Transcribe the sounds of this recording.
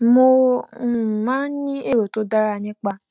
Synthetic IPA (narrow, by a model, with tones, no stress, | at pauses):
mo˧˨ | mã˦n˦ɲĩ˦e˦˨ɾo˨to˨˦da˦ɾa˦˧nĩ˦k͡pa˧